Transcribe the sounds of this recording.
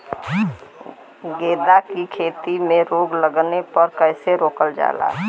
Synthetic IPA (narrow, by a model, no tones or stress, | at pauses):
ɡeːd̪akikʰeːt̪imẽɾoːɡləɡnepəɾkəɪseɾoːkəld͡ʒa̰ːla̰ː